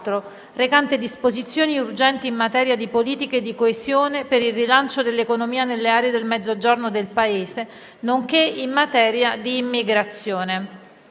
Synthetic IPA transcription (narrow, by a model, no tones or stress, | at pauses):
t̪ɾo | rekant̪ed̪ispozit̪sːjoːniurd͡ʒɛnt̪iːmːat̪ɛːɾjad̪ipoliːt̪ikeːd̪ːikoezjoːnepeɾilrilant͡ʃod̪elːekonomiːanelːeaːɾeed̪elmɛd̪zːod͡ʒornod̪elpaeːze | noŋk̟eimːat̪ɛːɾjad̪iːmːiɡɾat̪sːjoːne